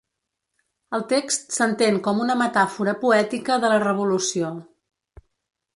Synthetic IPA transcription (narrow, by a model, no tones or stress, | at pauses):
əlˠt̪ekst̪sənt̪eŋkɔmunəmət̪afuɾəpuɛt̪ikəðələrəβ̞ulusio